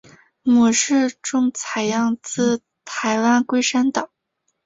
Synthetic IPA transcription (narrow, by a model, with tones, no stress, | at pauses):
mɔ˨˩ʂɻ̩˥˧ʈ͡ʂʊ˥˩ŋt͡sʰa˨˩ɪjɑ˥˧ŋt͡sɹ̩˥˩ | t̪ʰa˧˥ɪwa˥nkwe˥ɪʂa˥nt̪ɑ˨˩˦ŋ